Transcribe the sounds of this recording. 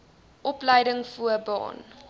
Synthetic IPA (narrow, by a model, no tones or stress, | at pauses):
ʔɔpləjdəŋfuəbɑ̰ːn